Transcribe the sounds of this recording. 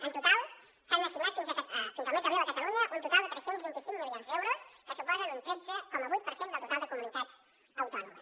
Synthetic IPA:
ənt̪ut̪alˠ | sanməsiunat̪finzfinzəlmezðəβiðəkət̪aluɲəʔunt̪ut̪alˠd̪ət̪ɾɛsenzβint̪isiŋmilionzðɛwɾoskəsupɔzənintɛnsəkɔməβujt̪pəɾsend̪əlˠt̪ut̪alˠd̪əkumunit̪at͡s | əwt̪ɔnuməs

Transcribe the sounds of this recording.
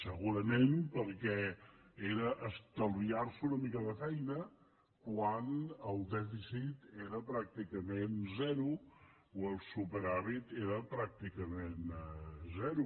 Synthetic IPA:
səɣuɾəmempəɾkɛeɾəʔəst̪əlˠβiarsunəmikəðəfɛjnə | kwanəlˠd̪ɛfisit̪eɾəpɾak̚t̪ikəmenzɛɾu | oəlˠsupəɾaβit̪eɾəpɾak̚t̪ikəmenzɛɾu

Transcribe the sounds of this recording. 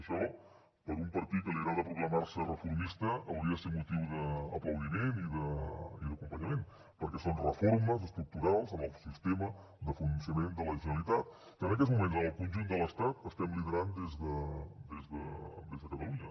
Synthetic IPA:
əʃɔ | pəɾumpəɾt̪it̪̚kəliɾaðəpɾuɣləmarsərəfuɾmist̪əəwɾiəðəseɾmut̪iwðəːpləwðimeniðəḭðəkumpəɲəmen | pəɾkɛsonrəfoɾməzəst̪ɾuk̚t̪uɾalˠzəməlˠsist̪emə | d̪əfunənsiəmend̪ələʒənəlit̪at̪̚ | kənəkɛtzmumenzənəlˠkunʲʒund̪ələst̪at̪əst̪ɛmliðəɾand̪ezðəd̪ezðəd̪ezðəkət̪əluɲə

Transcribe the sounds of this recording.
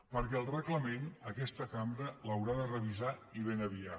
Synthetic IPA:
pəɾkɛəlˠrəkləmenəkɛst̪əkambɾələwɾaðərəβizaiβenəβia

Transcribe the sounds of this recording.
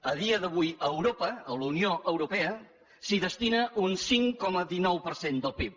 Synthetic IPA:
əð̞iəðəβ̞ujəwɾopəəlunioʔəwɾupɛə | siðəst̪inəʔunsiŋkɔməðinɔwpəɾsend̪əlˠpiw

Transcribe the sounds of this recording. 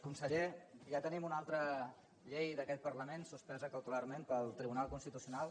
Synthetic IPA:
kunsəʎeʒat̪ənimunalˠt̪ɾə | ʎejðəkɛt̪̚pərləmensuspɛzəkəwt̪ularmempəlˠt̪ɾiβunalˠkunst̪it̪usiunalˠ

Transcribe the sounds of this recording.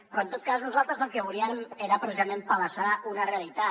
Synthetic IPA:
pɾɔənt̪ot̪̚kaznuzalˠt̪ɾəzəlˠkəβuliəmeɾəpɾesizamẽmpələsaunəreəlit̪a

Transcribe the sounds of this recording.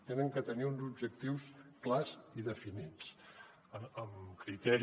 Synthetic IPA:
t̪enəŋkət̪əniunzubʒək̚t̪iwsklaziðəfinit͡s | əəmkɾit̪ɛɾ

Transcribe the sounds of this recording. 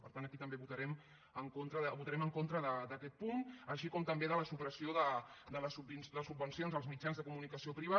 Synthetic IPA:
pəɾt̪anəkit̪əmbeβut̪əɾɛm | əŋkont̪ɾəðəβut̪əɾɛməŋkont̪ɾəðəd̪əkɛt̪̚punəʃikɔmt̪əmbeðələsupɾəsioðəd̪ələsubind̪əəsubːənsionzəlˠzmid͡ʒanzðəkumunikəsiopɾiβ̞a

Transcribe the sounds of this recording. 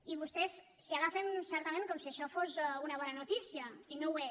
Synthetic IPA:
iβust̪ɛssiaɣafensɛɾt̪amẽŋkɔmsiaʃɔfozunɐβ̞ɔnɐnut̪isiainowe

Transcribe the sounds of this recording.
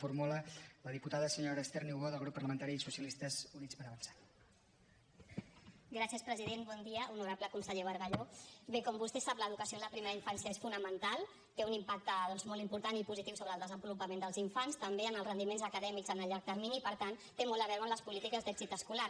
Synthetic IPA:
fuɾmulələðiput̪aðəsəɲoɾəst̪eɾniwɣoðəlˠɣɾupːəɾləmənt̪aɾisusiəlist̪əzunit͡spəɾəβənsḁ | ɡɾasjəspɾəziðenbɔnd̪iəunuɾapləkunsəʎeβəɾɣəʎobekɔmbust̪esapləðukəsioləpɾimeɾəiɱfansjəesfunəmənt̪alˠ | t̪eunimpak̚t̪əðɔnzmɔlt̪impuɾt̪anipuzit̪iwsoβɾəlˠd̪əzəmbulupəmẽnd̪əlˠziɱfanst̪əmbeənəlˠzrənd̪imenzəkəðɛmikzənəʎʎːaɾk̚d̪əɾminiːpəɾt̪ant̪emɔlˠt̪əβɛɾwənləspulit̪ikəzd̪ɛɡzit̪əskulaɾ

